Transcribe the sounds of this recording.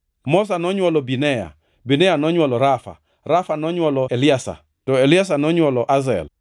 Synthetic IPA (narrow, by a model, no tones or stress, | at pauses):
mɔs̬anɔɲwɔlɔbinɛja̰ | binɛjanɔɲwɔlɔɾafa̰ | ɾafanɔɲwɔlɔelɪasa̰ | tɔelɪas̬anɔɲwɔlɔʔazɛ̰l